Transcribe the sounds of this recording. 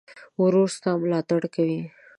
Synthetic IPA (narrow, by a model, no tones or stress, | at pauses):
wʊɾost̪amʊlɑt̪aɽkawi